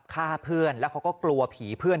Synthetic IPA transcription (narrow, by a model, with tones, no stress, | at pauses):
p̚kʰaː˥˩pʰɯ˥˩ənlɛː˦˥wkʰa˦˥wkɔː˥˩klu˧ɐpʰiː˩˦pʰɯ˥˩ən